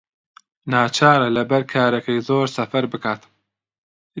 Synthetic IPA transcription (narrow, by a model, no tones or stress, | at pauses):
naːt͡ʃʰaːɾɐlɐbɐɾkʰaːɾɐkɐjzoːɾsɐfɐɾbɨkaːt̪